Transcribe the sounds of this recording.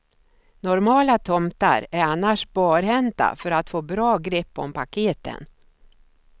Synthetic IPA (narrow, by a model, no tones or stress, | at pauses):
nɔɾmɑːlat̪ʰɔmt̪a̰ɾæɾanːaʂbɑːɾɦɛnt̪a̰fœɾat̪foːbɾɑːɡɾɛpːɔmpʰakʰeːt̪ə̰n